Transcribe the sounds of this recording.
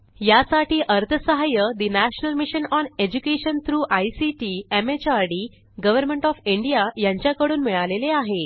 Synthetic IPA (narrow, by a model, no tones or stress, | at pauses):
jasaʈiːʔəɾt̪ʰəsəɦajəd̪inæɕnəlmiɕənɔned͡ʑukeɕənt̪ʰɾuːʔajsiʈiemet͡ɕaɾɖi | ɡəʋəɾmẽɳʈɔfiɳɖijajãɲt͡ɕjakəɽuːnmiɭaleleaɦe